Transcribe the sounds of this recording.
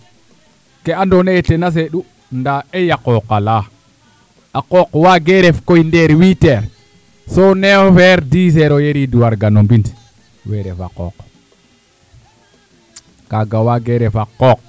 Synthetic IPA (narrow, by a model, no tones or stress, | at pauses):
kɛandɔnɛjtɛnas̬ɛɗu | ndaɛjakɔkala | akɔkwaɡɛɾɛfkɔjndɛɾwitɛɾ | sɔnɛfɛɾdiːsɛɾɔjeɾiduwaɾɡanɔmbint | wɛɾɛfa̰kɔ̰k | kaɡawaɡɛɾɛfakɔk̚